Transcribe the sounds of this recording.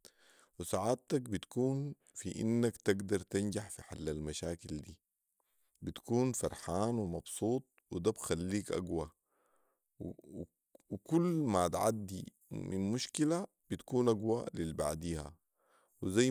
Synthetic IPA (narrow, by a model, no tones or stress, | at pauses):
wisaʕaːt̪ak̚bit̪kuːn | fḭʔḭnːakt̪aɡd̪ɑɾˤt̪and͡ʒaħfiħalːalmaʃaːkild̪iː | bit̪kuːnfɑɾˤħaːnwimɑb̥sˤuːt̪̚ˤwid̪abxalːiːkʔa̰ɡwa | wkulːmat̪ʕa̰d̪ːḭ | mḭnmuʃkila | b̥it̪kuːnʔaɡwalilba̰ʕd̪iːha̰ | wizaj